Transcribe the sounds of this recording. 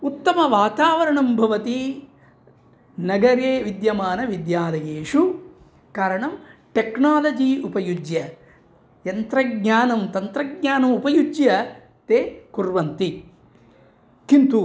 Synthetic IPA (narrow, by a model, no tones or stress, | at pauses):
ut̪ːɐmɐʋaːt̪aːʋɐɾɐɳɐmbʱɐʋɐt̪i | nɐɡɐɾeːʋid̪jɐmaːnɐʋid̪jaːd̪ɐjeːʂu | kaːɾɐɳɐmʈeknaːlɐd͡ʒiupɐjud͡ʒjɐ | jɐnt̪ɾɐɡɲaːnɐmt̪ɐnt̪ɾɐɡ̚ɲaːnɐmupɐjud͡ʒjɐ | t̪eːkuɾʋɐnt̪i | kint̪u